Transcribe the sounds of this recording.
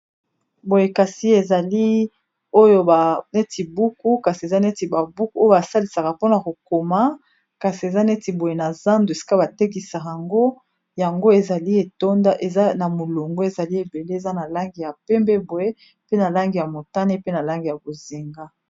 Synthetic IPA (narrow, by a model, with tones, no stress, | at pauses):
bo˨je˨ka˨si˦e˨za˨li˦ | o˦jo˦ba˨ne˦ti˨bu˦ku˦ka˨si˨e˨za˦ne˦ti˨ba˨bu˦ku˦o˦jo˦ba˨sa˦li˨sa˨ka˨po˦na˨ko˨ko˨ma˦ | ka˨si˨e˨za˦ne˦ti˨bo˨je˨na˨za˦ndu˨e˨si̥˦ka˦ba˨te˦k̬i˨sa˨a˨ŋɡo˦ | ja˨ŋɡo˦e˨za˨li˦e˨to˦nda˦ʔe˨za˦na˨mo˨lo˨ŋɡo˦e˨za˨li˦e˨be˨le˦e˨za˦na˨la˦ŋɡi˨ja˨pɛ˦mbɛ˦bo˨je˦ | pe˦na˨la˦ŋɡi˨ja˨mo˨ta˦ne˦pe˦na˨la˦ŋɡi˨ja˨bo˨zi˨ŋɡa˦